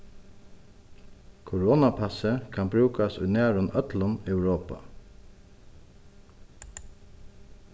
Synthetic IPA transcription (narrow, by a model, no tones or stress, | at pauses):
kʰʊɹɔːnapʰasəkʰanbɾʉːkasujnæːɾʊnœt̪lʊnɛʊɾoːpa̰